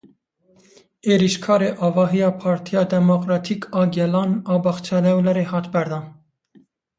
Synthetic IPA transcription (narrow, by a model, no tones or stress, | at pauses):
eːɾiʃkʰɑːɾeːʔɑːvɑːɦijɑːpʰɑːɾt̪ʰijɑːd̪ɛmokɾɑːt̪ʰiːkʰɑːɡɛlɑːnɑːbɑxt͡ʃʰɛlɛwlɛɾeːhɑːt̪bɛɾd̪ɑːn